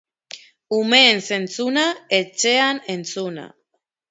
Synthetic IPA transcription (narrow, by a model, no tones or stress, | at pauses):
ume̞ːnse̞nt͡sunaet͡ʃe̞ane̞nt͡suna̰